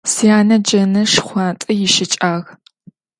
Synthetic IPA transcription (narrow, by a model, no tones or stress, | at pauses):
sijaːnɐd͡ʒɐnɐʂχʷɑːtʼɐjɪʃɪt͡ʃʼaːɣ